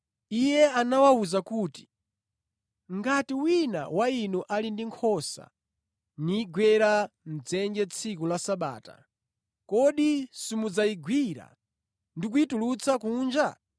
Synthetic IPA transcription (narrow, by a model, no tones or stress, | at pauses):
ijɛanawauzakuːti̥ | ŋɡatiwina̰wainuʔalindiŋkʰɔsa̰ | niːɡwɛɾan̩d͡zɛnd͡ʒɛt͡sʰikulasaɓa̰ːta̰ | kɔɗisimud͡zaiɡwiɾa̰ | ndik̬uitulut͡sʰakuːnd͡ʒa